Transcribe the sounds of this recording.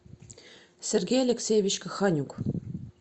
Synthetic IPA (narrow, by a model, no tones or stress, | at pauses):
sʲerʲɡʲejalʲeksʲejvʲit͡ɕkə̆xɑnʲuk